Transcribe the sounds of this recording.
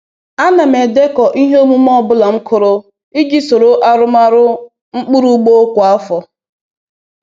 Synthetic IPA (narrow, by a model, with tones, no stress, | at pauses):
a˦na˨me˨de˦kɔ˨ʔi˦ɦe˦o˦mu˦m˦ɔ˦˨bʊ˦la˨ŋ͡m̩˦kʰʊ˨ɾo˦ | i˦ɡi˦so˨ɾo˨ʔa˦ɾʊ˦ma˦ɾʊ˦ | ŋ͡m̩˦k͡pu˦ɾu˦ɡ͡bo˦kʷɔ˨a˦fɔ˨